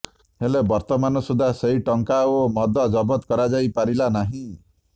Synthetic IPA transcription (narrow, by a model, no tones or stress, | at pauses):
ɦelebɔɾt̪ɔmanɔsud̪ʱaseɦiʈɔŋkaomɔd̪ʱɔd͡ʒɔbɔt̪kɔɾad͡ʒajpaɾilanaɦĩ